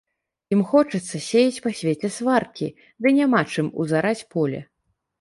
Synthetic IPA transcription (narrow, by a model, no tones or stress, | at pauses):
jimxɔt͡ʂɨt̪sːɐsʲejit͡sʲpasʲvʲet͡sʲɛsvarkʲi | d̪ɨnʲamat͡ʂɨmṵzaɾat͡sʲpɔlʲɛ̰